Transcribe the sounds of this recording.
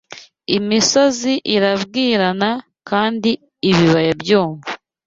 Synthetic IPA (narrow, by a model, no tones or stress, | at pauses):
imisoziʔiɾaβɡiːɾana | kaːndiː | βiβajebjoːɱvu